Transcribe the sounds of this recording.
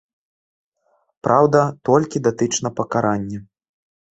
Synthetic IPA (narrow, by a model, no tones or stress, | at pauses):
pɾʔawd̪ɐt̪ɔlʲkʲid̪at̪ɨt͡ʂn̪ɐpɐkaɾanʲːɛ